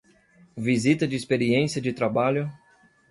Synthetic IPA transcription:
vizit̪ɐd͡ʒɪispeɾiẽsiɐd͡ʒɪt̪ɾabaʎʊ

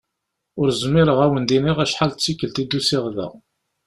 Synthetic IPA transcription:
ʊɾzmɪɾəʁæwənd̪iniʁæʃħalt͡sːikːəlt̪id̪ːusɪʁðæ̰ʁ

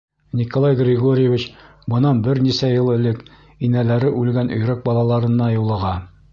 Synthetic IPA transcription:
nʲikolˠɑjɡrʲɪɡoɾʲɪjevʲit͡ɕ | bɤ̆nɑnbɘɾnisæjɤlˠɘ̆lɘk | inælæɾɘʔʉlɡænɵ̆jɾæk̚bɒlˠɑlˠɑɾɤ̆nːɑjulˠɤ̆ʁɑ

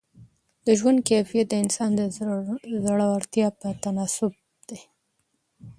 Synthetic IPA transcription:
d̪əʒwand̪̚kefijat̪̚d̪əɪnsɑnd̪ə | zaɽaaɾt̪jɑpət̪anɑsʊb̚ | d̪̥e

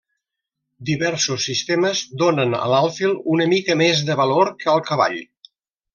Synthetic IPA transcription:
d̪iβɛɾsusːist̪eməzd̪onənə̰lalˠfilˠunəmikəmezðəβəloɾkəəlˠkəβa̰ʎ

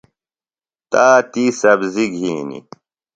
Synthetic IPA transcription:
t̪aːt̪isɐbziɡʱiːnḭ

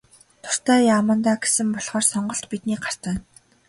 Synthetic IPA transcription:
t̪ʰʊ̥r̥t̪æːjaːmə̆nt̪aːɡe̥sɘ̆mpɔɮχɔːrsɔɴɢɞ̆ɬt̪pit̪niːɢar̥t̪ə̆ːn

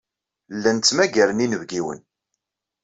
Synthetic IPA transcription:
lːænt͡sːmæɡæɾəninəvɡiwə̰n

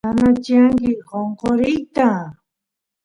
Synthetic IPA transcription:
anat͡ʃiaŋkɪqoɴqoɾɪjt̪a

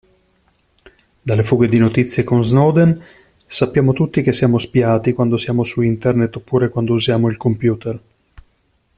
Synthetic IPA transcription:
d̪alːefuːɡed̪inot̪it̪sːjekonznɔːd̪en | sapːjaːmot̪ut̪ːik̟esːjaːmospiaːt̪ikwand̪osjaːmosuint̪ernet̪ːopːuːɾekwand̪ouzjaːmoilkompjuːt̪er

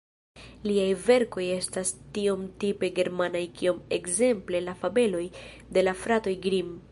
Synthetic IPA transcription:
liajve̞ɾko̞je̞stastio̞mtipe̞ɡe̞ɾmanajkio̞mekze̞mple̞lafabe̞lo̞j | de̞lafɾato̞jɡɾim

